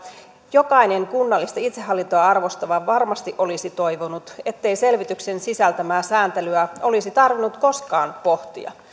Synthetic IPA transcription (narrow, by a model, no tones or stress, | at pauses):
jo̞kɑine̞ŋkunːɑlːist̪ɑit̪seɦːɑlːint̪oɑɑrʋo̞st̪ɑʋɑʋɑrmɑst̪iʔo̞lisit̪o̞jʋonut̪e̞t̪ːe̞jse̞lʋit̪ykse̞nsisælt̪æmæːsæːnt̪elyæʔo̞lisit̪ɑrʋinːut̪ko̞skɑːnpo̞ht̪ḭɑ̰